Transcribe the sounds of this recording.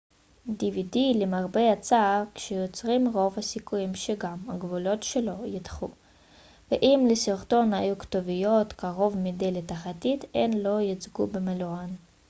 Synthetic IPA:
dividilemaʁbejat͡sakʃejot͡sʁimʁo̞vhasikujimʃeɡama̰ɡvulo̞tʃelo̞jit̪χu | veʔimlesiʁto̞nhajuktovijo̞tkaʁo̞vmidelet̪aχat̪it̪ḛnlo̞jit͡sɡubemeloan

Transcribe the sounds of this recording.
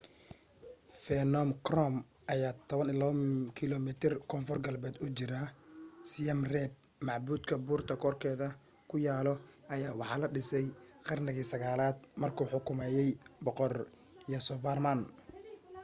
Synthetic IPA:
fɛnɔmkrɔm | ʔɐjaːt̪ʰɔβɐnɪlɐβɐkʰɪlɔmɪt̪ʰɪrkʰɔnfɔrɡɐlbɛːd̪ʊt͡ʃɪɾɐsɪjɐmrɛːb̚ | mɑʕbuːd̪kʰɐbuːrt̪ʰɐkʰɔːrkʰɛːðɐ | kʰʊjaːlɔʔɐjaːwɑħɑːlɐɖɪsɛjqɐrnɪɣiːsɐɣaːlaːd̪̚mɐrkʰuːħʊkʰʊmɛːjɛjbɔqɔr | jɐsɔvarman

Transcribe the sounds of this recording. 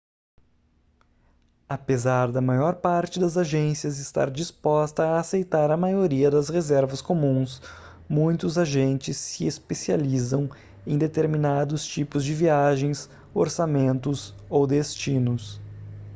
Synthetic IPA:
apezaɾd̪ɐmajɔɾpaɾt͡ʃɪd̪ɐzaʒẽsiɐzɪst̪a̰ɾd͡ʒispɔst̪ɐːsejt̪aɾɐmajoɾiɐd̪ɐzhezɛɾvɐskomũs | mũj̃t̪ʊzaʒẽnt͡ʃɪsːɪespesializɐ̃w̃ | ẽd̪et̪eɾminad̪ʊst͡ʃipʊzd͡ʒɪviaʒẽj̃s | o̰ɾsamẽnt̪ʊsowd̪est͡ʃinʊs

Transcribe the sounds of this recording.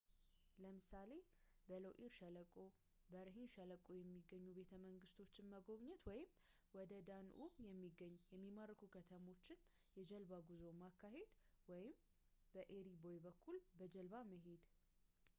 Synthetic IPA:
ləmɨsale̞ | bəlowʔiɾʃələkʼo | bəɾəɦinʃələkʼojɛmːiɡːəɲːube̞t̪ʰəməŋɡɨst̪ʰo̞t͡ʃːɪnməɡo̞βɲɛt̪wɔjɪm | wɔd̪əd̪anʔumjɛmːiɡəɲːjɛmːimaɾːəkʰukʰət̪ʰəmo̞t͡ʃːɪn | jɛd͡ʒəlbaɡuzo̞makːaɦe̞d̪wɔjɪm | b̥əʔeɾibojbəkʰːulbəd͡ʒəlβaməɦe̞d̪

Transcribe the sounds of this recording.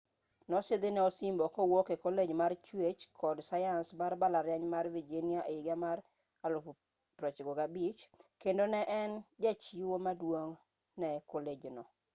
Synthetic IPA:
nɔsed̪enɛɔsimbɔkɔwokekoled͡ʒmart͡ʃwet͡ʃkʰɔdsajansbarbalaɾjaɲmarvid͡ʒinɪaʔeɡamar | alf | pɾɔt͡ʃɡoɡabit͡ʃkendonɛʔɛnd͡ʒat͡ʃiwomadwoŋ | nɛkoled͡ʒnɔ

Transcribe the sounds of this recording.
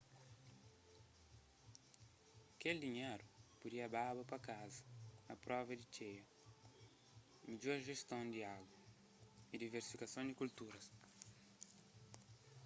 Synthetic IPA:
keld̪iɲeɾupudiɐbabɐpɐkazɐɐpɾɔvɐd̪it͡ʃejɐ | mid͡ʒuɐʒest̪õnd̪iaɡwɐ | id̪iveɾsi̥fikasõd̪ikult̪uɾɐs

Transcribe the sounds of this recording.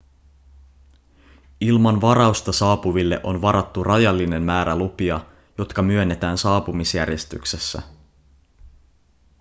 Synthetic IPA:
ilmɑnʋɑɾɑust̪ɑsɑːpuʋilːe̞̰ʔo̞nʋɑɾɑt̪ːurʔɑjɑlːine̞mmæːɾælupiɑ | jo̞t̪kɑmyø̞nːe̞t̪æːnsɑːpumisjærje̞st̪y̰kse̞sːæ̰

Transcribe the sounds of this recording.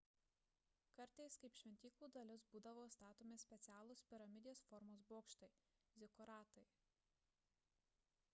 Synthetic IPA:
kɐɾʲˑt̪ɐɪskɐɪpʃʲʋʲɛnʲt̪ʲiːklˠuːd̪ɐlʲɪsbuːd̪ɐʋoːst̪ɑːt̪oːmʲɪsʲpʲɛt̪sʲæːlˠospʲɪɾɐmʲɪd̪ʲɪjoːsfɔɾmoːsboːkʃt̪ɐɪ | zʲɪkɔɾɑːt̪ɐɪ

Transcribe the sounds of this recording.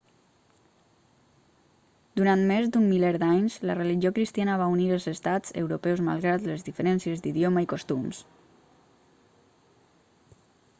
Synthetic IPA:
d̪uɾant̪mezd̪umːilɛɾd̪aɲzlərəliʒiokɾist̪ianəβ̞auniɾəlˠzəst̪ad͡zə̰wɾupɛwzma̰lˠɣɾaləzðifəɾɛnsiəzd̪iðjoməikost̪ums

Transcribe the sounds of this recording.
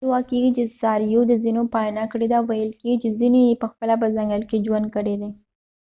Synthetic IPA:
wɑkeɡit͡ʃesɑɾijod̪əzinopɑjnakəɽed̪awajəlkeɡit͡ʃezinejepəxpəlap̬əzaŋɡəlked͡ʒwand̪̚kəɽed̪e

